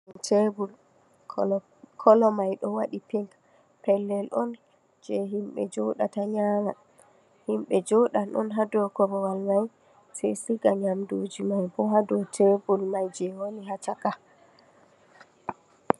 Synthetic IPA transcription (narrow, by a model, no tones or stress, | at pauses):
tebul | kʰɔlɔmajɗɔwaɗipiŋk | pɛlːɛlʔɔn | d͡ʒɛɦimɓɛ̰d͡ʒɔɗataɲaŋa | himɓɛd͡ʒɔɗanɗɔ̰nɦadɔkɔbɔwalmaj | sa̰jsiɡaɲamdud͡ʒimajbɔɦadɔtʰebulmajd͡ʒɛwoniɦataka